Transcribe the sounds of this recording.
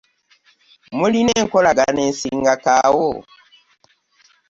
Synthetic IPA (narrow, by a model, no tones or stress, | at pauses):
mulinɛŋkɔlaɡanɛnsiŋɡakawɔ